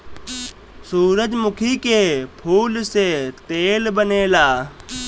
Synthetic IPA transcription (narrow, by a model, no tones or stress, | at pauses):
suːɾəd͡ʒmʊkʰiːkeːpʰuːlseːt̪eːlbəneːlaː